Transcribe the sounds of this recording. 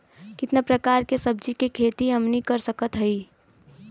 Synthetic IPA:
kɪt̪napɾəkaːɾkesəb̚d͡ʒikekʰeːt̪iɦəmnikəɾsəkət̪ɦəi

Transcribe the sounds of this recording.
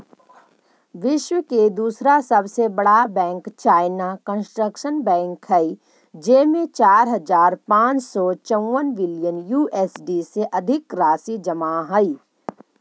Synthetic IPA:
ʋɪʃwəked̪uːsɾasɐbsebɐɽabɛ̃ːŋkt͡ʃaːɪnakə̃nsʈɾəkʃənbɛ̃ːŋkhɛi | d͡ʒeːmẽt͡ʃaːɾɦɐzaːɾpãːt͡ʃsɔt͡ʃə̃wːənbɪlijənjuːʔeːsɖiseʔɐd̪ʱɪkɾaːsid͡ʒɐmaɦəi

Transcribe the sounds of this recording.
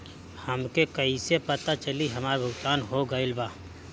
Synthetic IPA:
hɐmkekɐisepət̪at͡ʃəliɦɐmaːɾbʱʊɡt̪aːnɦoɡɐɪlbaː

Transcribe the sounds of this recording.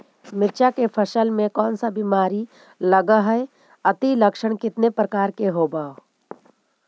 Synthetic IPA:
mɪt͡ʃakepʰɐʃəlmẽkɔːnsabimaːɾi | lɐɡaɦɛe | ɐt̪ilɐkʃəɽ̃kɪt̪nepɾəkaːɾkeɦoːbaːo

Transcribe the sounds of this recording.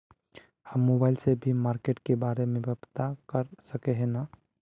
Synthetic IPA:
həmːoːbaːɪlsebʱimaːɾkeːʈkebaːɾemẽbəbt̪akəɾsəkeɦɛ̃naː

